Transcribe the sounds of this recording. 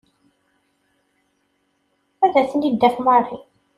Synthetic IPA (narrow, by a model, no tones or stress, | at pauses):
æðæθənid̪ːæfmarˤi